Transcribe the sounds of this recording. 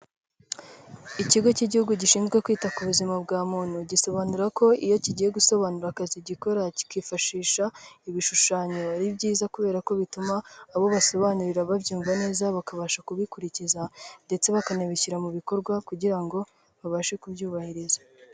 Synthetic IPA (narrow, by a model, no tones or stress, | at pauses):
iciɡo̞ciɟihuɡuɟiʃiːnzɡwe̞kwiːtakuβuzimabɡaːmuːn̥huɟiso̞βanuɾako̞ijo̞ciɟije̞ɡuso̞βanuɾakaziɟiko̞ɾaci̥kwiːfaʃiːʃaiβiʃuʃaːɲoβaɾibɟiːzakuβe̞ːɾako̞βitumaːβo̞βaso̞βanuɾiɾaβabjuːɱvane̞ːzaβakaβaʃakuβikuɾicizande̞t͡se̞βakaneβiciɾamuβiko̞ɾɡwakuɟiɾaŋɡo̞ | βaβaʃe̞kubjuːβahiɾizḁ